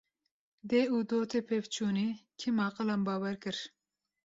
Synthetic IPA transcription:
d̪eːuːd̪oːt̪ʰepʰevt͡ʃʰuːniːkʰimɑːqɨlɑmbɑːwɛɾkɨɾ

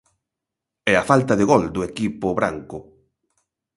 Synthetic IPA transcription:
ɛafalt̪ɐðɪɣɔld̪ʊekipʊβɾa̰ŋkʊ

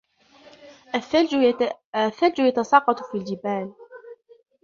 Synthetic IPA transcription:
ʔaθal | aθːald͡ʒʊjat̪ɑsˤɑːqɑt̪ˤfiːld͡ʒɪbaːl

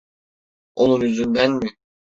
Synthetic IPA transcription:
onunyzynd̪ænmi

